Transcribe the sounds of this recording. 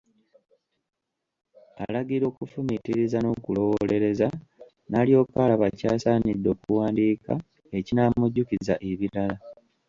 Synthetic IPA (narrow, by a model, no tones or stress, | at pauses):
a̰laɡiɾo̞ːkufumitiɾizano̞kulo̞wole̞ɾe̞za | nalijo̞ːkalaβacaːsaːnidːo̞ːkuwaːndiːka̰ | e̞cinaːmuɟːukizaʔeβilala